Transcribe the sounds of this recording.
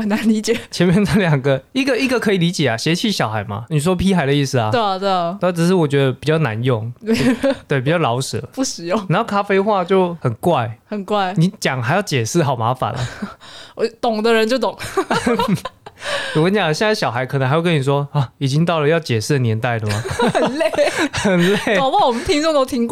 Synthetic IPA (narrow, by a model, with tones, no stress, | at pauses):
ə˨˩nna˧˦nli˧˥t͡ɕjɛ˨˩t͡ɕʰjɛ˧˦nmjɛ˥˧nt͡sa˥˩ljɑ˨˩ŋɡə˦i˥ɡə˨i˥ɡə˨kʰɤ˧˥i˨˩li˧˦˥t͡ɕjɛ˨˩a˩ɕɛ˧˥t͡ɕʰi˥˩ɕjɑ˨ʊxa˧ɪma̰˧˦ni˨˩s̬wɔ˥pʰi˥xa˧˥ɪd̪ə˦i˥˩s̩˩a˩˥˧t̪we˥˩a˥˩ʈ͡ʂ̩˨˩ʂ̬ɻ̩˥˩wɔ˨˩t͡ɕɥɛ˧˥d̪ə˧pi˨˩t͡ɕjɑ˥˩ʊna˧˦njʊ˥˨˩ŋe˥t̪we˥˩pi˨˩t͡ɕɑ˥˩lɑ˧˥ʊʂɻ̩̰˨˩lə˨˦pu˥˩ʂɻ̩˨˩jʊ˥˨ŋna˧˦xo˥˩ʊkʰa˦˥fe˥ɪxwa˥˧t͡ɕjo˥˩ʊxə˨˩nkwa˥˩ɪhə˨˩nkwa˥˩ɪni˧˦t͡ɕjɑ˨˩˦ŋxa˧˥jɑ˥˩ʊt͡ɕjɛ˨˩ʂ̩˥˩xɑ˨˩ʊma˧˥fa̰˨˦nʔə̰˨˧˩ | t̪ʊ˨˩ŋd̪ə˦ɻə˧˦nt͡ɕjo˥˩ʊt̪ʊ˨˩˦ŋ | u˧˩ə˧˦nt͡ɕja˨˩ŋ˩ɕjɛ˥˧nt͡sa˥˩ɪɕjɑ˨˩xa˧˥ɪkʰnə˧˦xa˧˥jkə˦ni˨˩ʂ̬wɔ˦a˨˩i˨˩t͡ɕi˦ŋt̪ɑ˥˩ʊlə˩jɑ˥˩ʊt͡ɕjɛ˨˩ʂɻ̩˥˩d̪ə˩njɛ˧˦nt̪a˥˩ɪlə˩mmɐ˩ə˨˩nle˥˧˩xə˨˩nle˥˩˨pa˥wɔ˨˩mə˦nt̪ʰi˥ŋt͡sʊ˥˧ŋt̪o˥ʊt̪ʰi˥ŋk